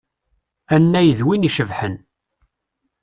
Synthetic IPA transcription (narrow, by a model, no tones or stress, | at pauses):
ænːæjəðwiniʃəvħən